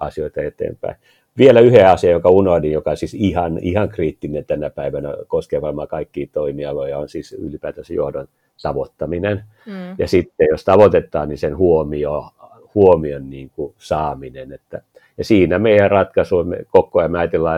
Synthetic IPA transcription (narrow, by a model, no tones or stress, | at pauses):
ɑsioit̪ɑet̪ḛːmpæ̰i | ʋielæyheɑsiɑjokɑunohdijjokɑosisihɑnihɑŋkriːt̪ːinent̪ænæpæiʋænæ̰koskeʋɑmːɑkɑikːiːt̪oimiɑlojɑonsiːsy̰lipæːt̪æsejo̰hdon | t̪ɑʋot̪ːɑminen | jɑsit̪ːejost̪ɑʋot̪et̪ːˑɑːnnisenhuomio | huomionniːŋkusɑːminenet̪ːæ | jɑsiːnæmeijærrɑt̪kɑsuimːḛkokːojɑmeɑjɑt̪elːɑ